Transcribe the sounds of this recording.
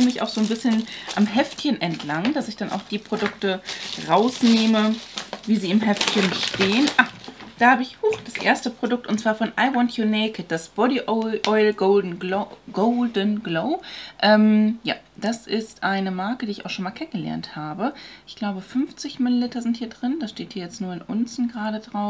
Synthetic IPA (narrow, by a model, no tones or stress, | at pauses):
mɪça̰ʊxz̥oːnbɪsçənʔamɦɛftçənʔɛntʰlaŋd̥asɪçd̥anʔa̰ʊxd̥iːpʁ̥odʊk̚təʁaʊsneːməviːziːɪmɦɛftçənʃteːənʔad̥aːhaːbəɪçhuxd̥asʔḛːɐstəpʁ̥odʊk̚tʊntt͡sv̥aːɐfɔnʔaɪwɔntʰjuneɪkət̚d̥asb̥ɔɾiʔʔɔʏɪlɡoldn̩oɡ̥oʊldənɡloʊʔɛmja̰ː | d̥asɪstʔaɪnəmaɐkədiːɪçaʊxʃoːnmaːlkʰɛnənɡəlɛ̰ɐnthaːbəʔɪçɡ̥laʊbəfʏmft͡sɪçmɪlilɪtɐzɪnthiːɐdʁɪndasʃteːthiːɐjɛt͡stnuːɐɪnʔʊnsn̩ɡʁaːɾədʁaʊ